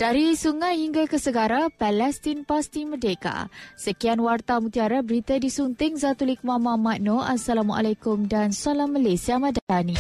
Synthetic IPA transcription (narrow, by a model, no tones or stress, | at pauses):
d̥aɾisuŋajhiŋɡakəsəɡaɾapɛlɛst̪inpast̪imədeka̰səkianwart̪amut̪iaɾabəɾit̪adisunt̪ɪŋzat̪ulik̚mamãmaʔ̚noʔasalamua̰lakʊmdansalamːalesiamadalani